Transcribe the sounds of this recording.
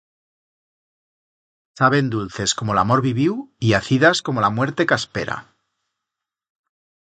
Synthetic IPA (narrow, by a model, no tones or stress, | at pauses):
saβ̞e̞nd̪ulθe̞sko̞mo̞lamo̞ɾβiβiwiaθiðasko̞mo̞lamwe̞ɾt̪e̞kaspe̞ɾa̰